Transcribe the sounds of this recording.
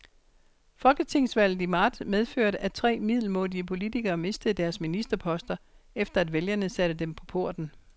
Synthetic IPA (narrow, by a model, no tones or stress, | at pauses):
fɒ̽lɡ̥ət͡sʰe̝ŋ̰sʋæl̰ð̩ˠimɑ̈ːd̥með̞ˠføɐ̰ɾəʔæt͡sʰʁɛ̰ːmið̰ˠl̩mo̝dˠiəpʰo̝lidʰiɡ̥ɐːme̝sd̥əð̩ˠd̥æɐsminisd̥ɐpʰɒ̽sd̥ɐefd̥ɐæd̥ʋeljɐnəsæɾ̥əd̥empʰɒ̽pʰo̝ɐ̰d̥n̩